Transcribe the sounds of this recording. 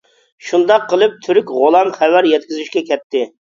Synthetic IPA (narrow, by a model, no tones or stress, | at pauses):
ʃund̪ɑqʰːəlˠɨp̚t̪ʰyɾykʲʁolˠɑmχɛwæɾjɛt̪̚kʲizyʃkʲɛkʲʰɛt̪ʰːɪ